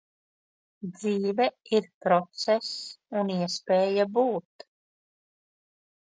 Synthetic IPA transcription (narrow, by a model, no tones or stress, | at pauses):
d̪ziːvɛiɾpɾɔt̪sɛsuniɛspeːjabuːt̪